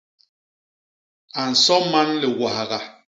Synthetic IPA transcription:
a˨n̩˨sɔ˦ma˦nlɛ˨wa˨ha˨ɣa˨

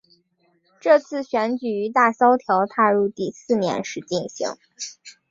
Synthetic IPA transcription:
ʈ͡ʂɤ˥˧t͡sʰɹ̩˥˩ɕɥɛ˧˥nt͡ɕy˨˩y˧˥t̪a˥˩ɕɑ˥ʊt̪ʰjɑ˧˥ʊt̪ʰa˥˧ɻu˥˧t̪i˥˧sɹ̩˥˩njɛ̰˧˥nʂɻ̩˥˧t͡ɕi˥˩nɕḭ˧˥ŋ

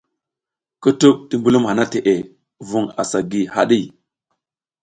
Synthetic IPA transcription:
ku˦tu˦k̚ti˦mbu˦lu˦mha˨na˦te˨ʔe˨ | vu˨ŋa̰˨sa˨ɡi˨ha̰˨ɗi˦˨

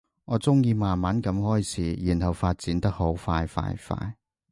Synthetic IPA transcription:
ŋɔː˨˧˥t͡sʊ˥ŋjiː˧maː˨nmaː˨˥nkɐ˨˧˥mhɔː˥jt͡sʰiː˨˥jyː˨˩nhɐ˨wfaː˧t̚t͡siː˨˥nt̪ɐ˥k̚ho˨˥wfaː˧jfa̰ː˧jfa̰ː˧j

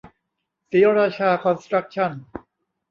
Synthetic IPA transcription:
siː˨˦ɾaː˧˩t͡ɕʰaː˧kʰɔ˧nst̪ɾa˦˥k̚t͡ɕʰa˥˩n

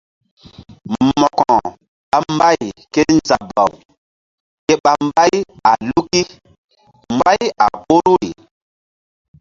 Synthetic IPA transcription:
mmɔ˨kɔ˨ | ɓa˨m˦ba˦jke˦nza˨ba̰˨w | ke˦ɓa˨m˦ba˦ja˨lu˦ki˦ | m˨ba˦ja˨po˦ɾu˦i˨

